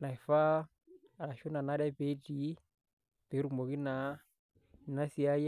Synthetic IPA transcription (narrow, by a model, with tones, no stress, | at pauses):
na˨i˨fa˦ | a˨ɾa˨ʃu˦na˨na˦dɛ˦pe˦ti˦ | pɛ˨˦ɾu˨mɔ˨ki˦na˨˦˨ | na˦si˦a˦j